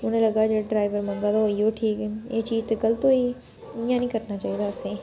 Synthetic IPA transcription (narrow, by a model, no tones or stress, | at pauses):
ʊnẽlɐɡad͡ʒeɖɾaːɪʋəɾmɐ̃ŋɡad̪oijoʈʰiːkɛet͡ʃiːd͡ʒt̪eɡəlt̪oi | ɪ̃jãːnĩːkəɾnat͡ʃaːɦiːd̪aːɐsẽː